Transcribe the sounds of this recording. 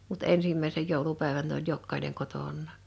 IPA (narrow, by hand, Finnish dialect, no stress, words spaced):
mut ensimːæˑisej joˑulupæˑeʋæn n olʲ jokːɑineŋ kotonˑɑˑ